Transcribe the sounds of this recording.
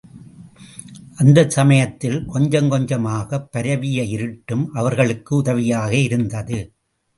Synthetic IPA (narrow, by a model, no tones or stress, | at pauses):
ʔɐnd̪ɐsɐmɐjɐt̪ːɪlkɔɲd͡ʒɐŋkɔɲd͡ʒɐmaːɣɐpːɐɾɐʋɪjɐɪɾɯʈːɯmʔɐʋɐɾɣɐɭɯkːɯʊðɐʋɪjaːɣɐɪɾɯnd̪ɐðɯ